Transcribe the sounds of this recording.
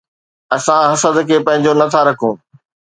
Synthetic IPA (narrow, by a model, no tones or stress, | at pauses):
ɐsãɦɐsəd̪kʰeːpɐ̃ɦɪ̃ɲ̆d͡ʑonɐt̪ʰaɾɐkʰũː